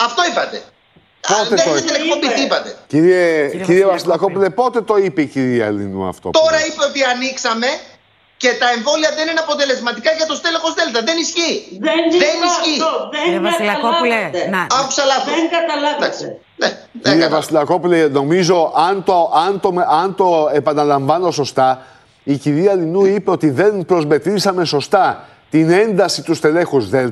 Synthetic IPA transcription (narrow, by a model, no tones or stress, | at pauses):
ɐft̪o̞ipɐt̪e̞ | ot̪et̪inekpo̞mbit̪ipɐt̪e̞ciɾieciɾievɐsilɐkopulepo̞t̪e̞t̪o̞ipeiciɾiɐɐlḭnṵɐ̰ft̪o̰t̪o̞ɾɐipe̞o̞t̪iɐniksɐme̞ | ce̞t̪ɐe̞ɱvo̞liɐðe̞nineɐpo̞t̪e̞le̞zmɐt̪ikɐʝɐt̪o̞st̪elexo̞zðe̞lt̪ɐðe̞nisçiðenisçivilɐkonɐpu̥sɐlɐɐd̪ɐkse̥ | e | eevɐsilɐko̞puleno̞mizo̞ʔɐnt̪oʔɐnt̪omɐnt̪o̞e̞pɐnɐlɐɱvɐno̞so̞st̪ɐ | iciɾiɐlinuipeo̞t̪iðe̞npɾo̞zme̞t̪ɾisɐme̞so̞st̪ɐ | t̪ine̞nd̪ɐsit̪ust̪e̞le̞xuzðe̞l